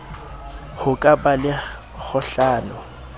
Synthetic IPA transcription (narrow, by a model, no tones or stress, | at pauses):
hʊkʼabalɪ | k͡xʰʊɬaːnʊ